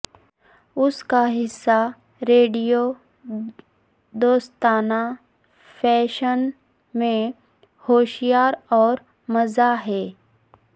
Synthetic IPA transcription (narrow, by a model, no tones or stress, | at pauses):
ʊskaɦɪsːa | ɾeːɖijo | d̪oːst̪aːna | fʰɛːʃən | mẽ | hoːʃijaːɾɔːɾ | mɐzaɦɛː